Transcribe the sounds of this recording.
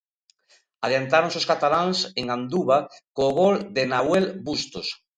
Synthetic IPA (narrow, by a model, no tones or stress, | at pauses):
aðjant̪aɾõŋsoskat̪alaŋseŋand̪uβakoːɣold̪enawelbust̪os